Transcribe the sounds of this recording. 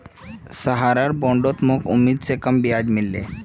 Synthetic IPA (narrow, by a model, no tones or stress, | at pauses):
səɦaɾaɾbõɳɖot̪mokumːid̪̚t͡sekəmbijad͡ʑmilːḛ